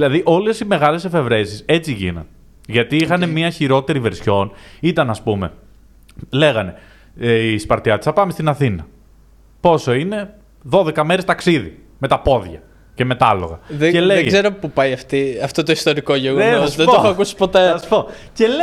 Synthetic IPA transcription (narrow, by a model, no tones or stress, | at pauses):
ilɐðiʔo̞lesime̞ɣɐlese̞fe̞vɾe̞sise̞t͡siʝḭnɐ̰n | ʝɐt̪iixɐne̞miɐçiɾo̞t̪e̞ɾive̞ɾsço̞nit̪ɐnɐspume̞̰ | le̞ɣɐne̞ | ispɐɾt̪çɐt̪isɐpɐmest̪inɐθinɐ | po̞so̞ine̞ | ðo̞ðe̞kɐme̞ɾest̪ɐksiðḭ | me̞t̪ɐpo̞ðʝɐ | ce̞me̞t̪ɐlo̞̰ɣɐðeelezeɾopupajɐft̪iɐft̪ot̪oist̪o̞ɾikoʝeɣoesðet̪oxɐkusi̥pot̪espo | cel